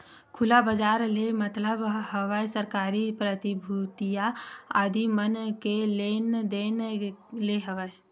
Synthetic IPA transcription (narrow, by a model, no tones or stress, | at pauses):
kʰulabəd͡ʒaɾlemət̪ləbɦəʋəjsəɾkaɾipɾət̪ibʱut̪ijaad̪ʱimənkelend̪enleɦəʋəe